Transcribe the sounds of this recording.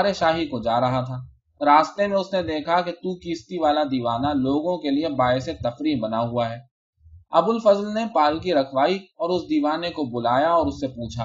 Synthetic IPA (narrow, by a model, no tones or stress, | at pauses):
aɾeʃaːɦikod͡ʒaːɾɐɦat̪ʰaː | ɾaːst̪emẽʊsned̪eːkʰaket̪ukiːst̪iʋaːlad̪iːʋaːnaloːɡõkeliebaːɪset̪ɐfɾiːɦbɐnaɦuaɦɛː | ɐbʊlfɐzlnepaːlk̬iɾɐkʰʋaːiɔːɾʊsd̪iːʋaːnekobʊlaːjaɔːɾʊsːepuːt͡ʃʰaː